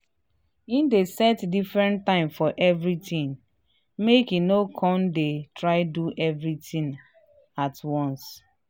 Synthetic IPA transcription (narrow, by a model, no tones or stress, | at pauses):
ĩndesɛtdifɹɛ̃ntːãɪ̃mfɔʔɛvɹitĩn | mekinokʰɔ̃ndetɹaɪduʔɛvɹitĩn | atwɔ̃ns